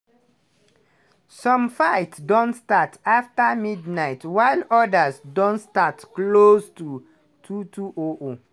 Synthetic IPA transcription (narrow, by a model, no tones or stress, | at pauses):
sɔ̃mfaɪtdõntstataftamidnaɪtwaɪlɔdasdõntstatklostu | tʰutʰuʔoʔo